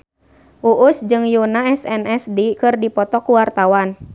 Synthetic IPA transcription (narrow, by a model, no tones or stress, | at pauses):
ʔuʔusd͡ʒɨŋjunaɛsɛnɛsdikɨrdipɔt̪ɔkuwart̪awan